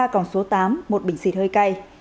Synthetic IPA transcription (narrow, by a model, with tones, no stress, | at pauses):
aː˧kɔ˧˩nso˨˦t̪aː˨˦mːo˨˩t̚ɓï˧˩ŋ̟sḭ˧˥˩t̚həː˧jka˧j